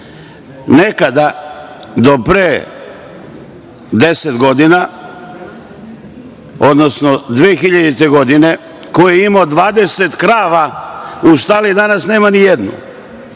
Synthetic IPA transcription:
ne̞kad̪a | d̪o̞pɾe | d̪e̞set̪ɡo̞d̪ina | o̞d̪no̞sno̞d̪ʋeːxiʎad̪it̪e̞ɡo̞d̪ine̞ | ko̞jeimod̪ʋaːd̪e̞se̞t̪kɾaːʋauʃt̪alid̪anasneːmanijed̪nṵ

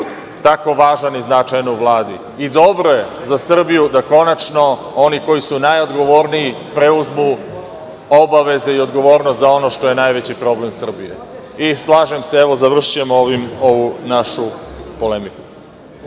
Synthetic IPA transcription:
t̪ako̞ʋaːʒaniznat͡ʂajnouʋlˠaːd̪i | id̪o̞bɾo̞je̞zasr̩bijud̪ako̞nat͡ʂno̞ | o̞niko̞jisunajo̞d̪ɡo̞ʋo̞ːɾnii | pɾeuzmu | o̞baʋe̞ze̞io̞d̪ɡo̞ʋo̞ːɾnost̪zao̞no̞ʂt̪o̞je̞najʋe̞t͡ɕipɾo̞ble̞msr̩bijḛislˠaːʒe̞mseeʋo̞zaʋr̩ʃijemoʋimo̞ʋunaʃupo̞lemiku̥

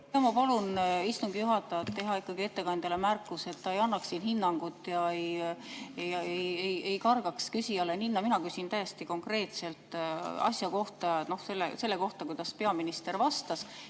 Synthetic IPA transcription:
jɑmɑpɑlunist̪uŋɡ̥ijuɦɑt̪ːˑɑjɑt̪t̪ːe̞ɦɑikːɑɡ̥ie̞t̪ːe̞kɑnd̪̥ɑlemærkːˑuse̞t̪ːɑe̞jɑnːɑksːiːnhinːɑŋɡ̥ut̪ːˑjɑej | jɑejeje̞jkɑrɡ̥ɑkskysʲiɑleninːɑminɑkysint̪æjest̪iko̞ŋkre̞ːt̪se̞lt̪ːˑɑ̰sʲjɑko̞ht̪ɑno̞hse̞lːḛse̞lːe̞ko̞ht̪ɑkujd̪̥ɑspe̞ɑminist̪e̞rvɑst̪ɑs

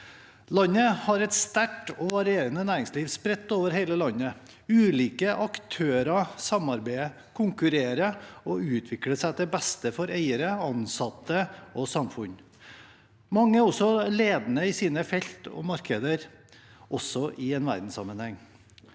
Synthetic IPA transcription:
lɑnːəhɑɾɛt̪st̪æʈːɔʋɑɾɪeːɾənənæːɾɪŋsliːʋspɾɛt̪ːoːʋəɾɦeɪləlɑnːə | ʉːliːkəʔɑkt̪ʰøːɾɑsɑmɑɾbæɪ | kʰʊŋkʉɾeːɾəɔʉːt̪ʰʋɪkɽəsæɪd̪ɛbɛst̪əfɔɾæɪəɾəɑnsɑt̪ːəɔsɑmfʉn | mɑŋːəəɾɔsɔleːd̪nəɪsiːnəfɛʎt̪ɔ̰mɑɾkʰəd̪əɾ | ʔɔsːɔʔɪɛːnʋæ̰ɾd̪n̩sɑ̰mːənhɛŋː

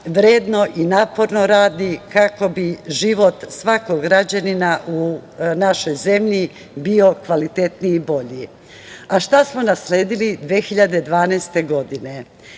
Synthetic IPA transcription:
ʋɾeːd̪no̞ʔinapo̞ɾno̞ɾaːd̪ikako̞biʒiʋo̞t̪sʋakoɡɡɾad͡ʑaninaʔunaʃo̞jze̞mʎi | bio̞kʋalit̪e̞t̪niːbo̞ʎi | aʃt̪asmo̞nasleːd̪ilid̪ʋeːxiʎad̪e̞d̪ʋaːnɛːst̪e̞ɡo̞d̪ine̞

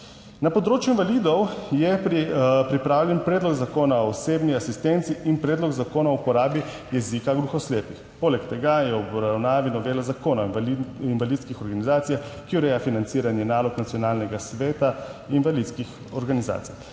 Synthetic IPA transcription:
napɔd̪ɾoːt͡ʃjuinvaliːd̪ɔwjɛ | pɾipɾaːwljɛnpɾeːd̪lɔɡzakoːnaoɔːseːbniasist̪ent̪siʔinpɾeːd̪lɔɡzakoːnaupɔɾaːbi | jɛzikaɡɾuxɔsleːpixpoːlɛkt̪ɛɡajɛɔbɾawnaːʋinɔʋeːlazakoːnainʋaliːt̪skixɔɾɡanizaːt̪sijakiɔɾɛjafinant̪siːɾanjɛnaːlɔknat̪sjɔnaːlnɛɡasʋeːt̪ainʋalid̪skix | ɔɾɡaniza̰ːt̪sij

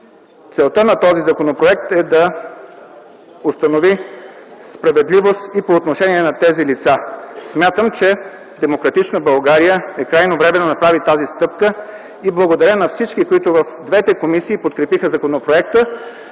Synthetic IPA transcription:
t̪sɛlˠt̪ənɐt̪ɔzizɐkonopɾoɛk̚t̪ɛd̪ɐ | ost̪ɐnovi | spɾɐvɛd̪livost̪ipoːt̪noʃɛniɛnɐt̪ɛzilit̪sasmʲjat̪əmt͡ʃɛ | d̪ɛmokɾɐt̪it͡ʃnəbɐlˠɡaɾijəɛkɾajnovɾɛmɛd̪onɐpɾavit̪azist̪ɤp̚kə | iblˠəɡod̪ɐɾʲənɐfsit͡ʃkikoit̪ʊvɐfd̪vɛt̪ɛkomisiːpot̪̚kɾɛpixəzɐkonopɾoɛk̚t̪ə

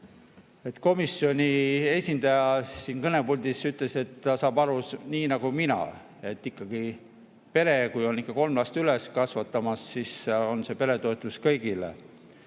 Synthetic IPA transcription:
e̞t̪ːko̞misjo̞nʲie̞sʲind̪̥ɑjɑsiːnkɤne̞pulʲd̪̥isyt̪ˑle̞se̞t̪ːɑsɑːbɑɾusniːnɑɡ̥uminɑ̰ | e̞t̪ːikːˑɑɡ̥i | pe̞ɾe̞kujo̞nikːˑɑko̞lmlɑst̪yleskɑsvɑt̪ːˑɑmɑsːiso̞nse̞pe̞ɾe̞t̪o̞et̪ːˑuskɤjɡilḛ

